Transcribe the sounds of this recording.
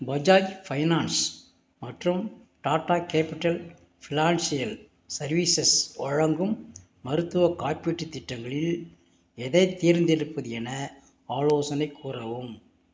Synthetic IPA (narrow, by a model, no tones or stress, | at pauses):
bɐd͡ʒaːjfɐɪnaːns | mɐʈrɯm | ʈaːʈːaːkeːpɪʈːɐl | fʰɪnaːnsɪjɐl | sɐɾʋiːsɐsɔɻɐŋɡɯmː | ɐɾɯt̪ːɯʋɐkaːrpiʈːɯt̪ːɪʈːɐŋɡɐɭɪl | ɛðɐɪt̪ːiːɾnd̪ɪɾɯpːɐðɪjɛnɐ | aːloːsɐnɐɪkʰːuːrɐʋɯm